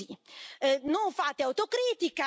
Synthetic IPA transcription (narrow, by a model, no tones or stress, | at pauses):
i | noŋfaːt̪eawt̪okɾiːt̪ika